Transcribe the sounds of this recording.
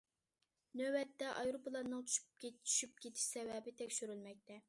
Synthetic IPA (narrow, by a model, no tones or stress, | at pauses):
nøwɛt̪ːɛʔɑjɾopʰlˠɑnɨŋt͡ʃ̪ʰy̥ʃy̥p̚kʲetʰy̥ʃyp̚kʲʰet̪ʰɪ̥ʃsɛvɛbɪt̪ʰɛkʲʃyɾylmɛk̚ʲt̪ʰɛ